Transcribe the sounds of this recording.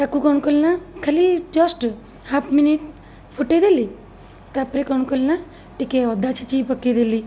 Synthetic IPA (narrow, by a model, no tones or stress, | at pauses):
t̪akukɔɳ̃kolnakʰəlid͡ʒɔsʈ | hapʰminiʈ | pʰuʈed̪eli | t̪apɾekɔɳ̃kolna | ʈikeɔd̪at͡ʃʰit͡ʃipəked̪eli